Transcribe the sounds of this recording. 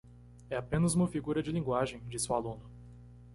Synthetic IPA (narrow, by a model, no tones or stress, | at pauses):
ɛapẽnɐzũmɐfiɡuɾɐd͡ʒɪlĩɡwaʒẽj̃d͡ʒisuwalũnʊ